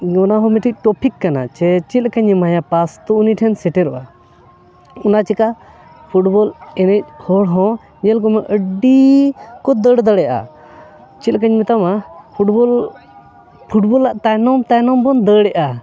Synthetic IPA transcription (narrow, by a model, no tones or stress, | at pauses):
ɔnaɦɔ̃mɛʈʰic̚ˀʈɔpʰikːana̰t͡ʃɛt͡ʃit̪̚kaɲɛmajapast̪ɔuniʈʰɛnsɛʈɛɾɔʔa | ɔnat͡ʃika | pʰuʈbɔlɛnɛc̚hɔɽɦɔ̃ | ɲɛlkɔmɛʔəɖikɔd̪əɽd̪əɽɛʔa̰ | t͡ʃit̪̚kaɲmɛt̪amapʰuʈbɔl | pʰuʈ̚bɔlːaʔt̪ajnɔmt̪ajnɔmbɔnd̪əɽɛʔa